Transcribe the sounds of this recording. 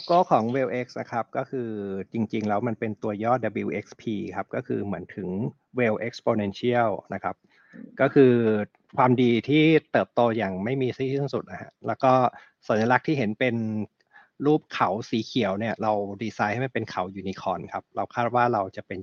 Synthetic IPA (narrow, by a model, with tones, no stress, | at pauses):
koː˥˩kʰɔː˩˦ŋweː˧wʔe˦˥k̚sna˦˥kʰa˦˥p̚kɔː˥˩kʰɯː˧t͡ɕi˧ŋt͡ɕi˧ŋlɛː˦˥wma˧npe˧nt̪u˧ɐjɔː˥˩da˧bi˧wʔe˦˥k̚spʰiː˧kʰa˦˥p̚kɔː˥˩kʰɯː˧mɯ˩˦ənt̪ʰɯ˩˦ŋ | weː˧wʔe˦˥k̚spoː˧ne˧nsi˥˩əwna˦˥kʰa˦˥p̚ | kɔː˥˩kʰɯː˧ | kʰwaː˧mdiː˧t̪ʰiː˥˩t̪ɤː˨˩p̚t̪oː˧jaː˨˩ŋma˥˩jmiː˧siː˥˩i˥˩ŋsu˨˩t̪̚na˦˧hʰa̰˦˥lɛː˦˥wkɔː˥˩ | sa˨˩˦nja˧la˦˥k̚t̪ʰiː˥˩ɦe˩˦npe˧n | ɾuː˥˩p̚kʰa˩˦wsiː˩˦kʰi˨˩˦əwni˥˩ɐɾa˧wdiː˧saː˧jha˥˩jma˧˥˩pe˧nkʰa˩˦wjuː˨˩ni˧kʰɔː˧nkʰa˦˥p̚ɾa˧wkʰaː˥˩t̪̚waː˥˩ɾa˧wt͡ɕa˨˩pe˧n